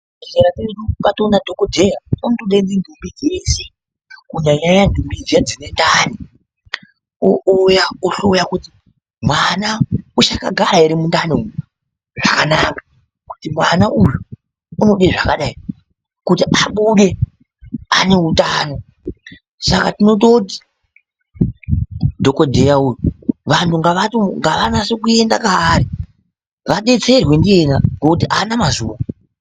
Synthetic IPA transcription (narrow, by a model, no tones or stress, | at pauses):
ɬeɾapeiɗukatonadʱokodʱejaontoɗaind͡zindʱumbid͡zese | kuɲaɲaɲandʱumbid͡zijad͡zine̞ndani | oʔojaoɬojakuti | mwanaut͡ʃaka̰ɡʱaɾaeɾimundaniu | ʐakanaːkḁ | ku̥timwanaʔuju | uno̞ɗeʐakaɗai | kutiʔaɓuɗe̞ | ane̞ɦutaːno̞ | saka̰tino̞t̬oti̥ | dʱo̞ko̞dʱe̞jaujuʋantʰuŋɡaʋatuŋɡaʋanasokue̞ndakaːɾi | ʋaɗe̞t͡se̞rwe̞ndie̞ndaŋokut̬iʔanamazuːʋa